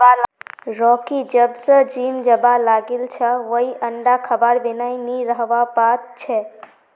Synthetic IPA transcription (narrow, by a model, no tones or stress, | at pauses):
aɾɔkid͡ʒəbsə̃d͡ʒimd͡ʒəbalaɡelt͡ʃʰəʋəiʔəɳɖakʰəbaɾbenainiɾəɦʋapat̪t͡ʃʰɛ